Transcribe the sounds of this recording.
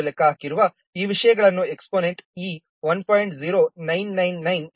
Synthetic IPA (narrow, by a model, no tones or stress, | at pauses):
lekːaːkiɾuʋɐ | iːʋiʂɐjɐɡɐɭɐnːueksponeɳʈiː | ʋɐnpʰɔjɳʈd͡ʒiɾoːnɐjnːɐjnːɐjn